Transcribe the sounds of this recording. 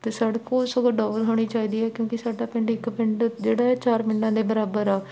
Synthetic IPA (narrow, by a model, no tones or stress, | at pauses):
t̪eːsaɽkõːsəɡoɖɔːʋəlɦoːɽ̃iːt͡ʃaːiːd̪iːɛːkjõːkɪsaːɖaːpɪ̃ɳɖɪkpɪɳɖd͡ʒeːɽaːɛːt͡ʃaːɾmɪnːãːd̪eːbəɾaːbəɾaː